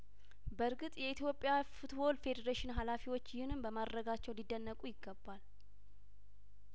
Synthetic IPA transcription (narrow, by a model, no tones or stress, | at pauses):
bəɾɡɨt̪ʼjɛit̪ʰjo̞pʼːjafut̪ʰwo̞lfe̞d̪əɾeʃɪnɦalafiwo̞t͡ʃːjɪhɨnɨmbəmad̪ɾəɡat͡ʃːɛwlid̪ːənːəkʼujɪɡːəbːal